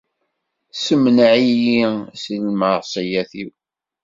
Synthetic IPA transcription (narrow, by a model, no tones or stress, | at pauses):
səmnʕijisilmɑɾˤsˤijæθḭw